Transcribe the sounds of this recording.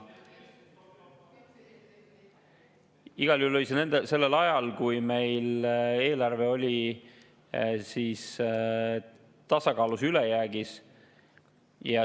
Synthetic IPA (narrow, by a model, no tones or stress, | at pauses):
iɡ̥ɑljulːo̞lʲisenend̪ese̞lːe̞lɑjɑlkujme̞jle̞ːlɑrve̞o̞lʲi | siːs | t̪ɑsɑkɑːlusylejæːɡis | jɑ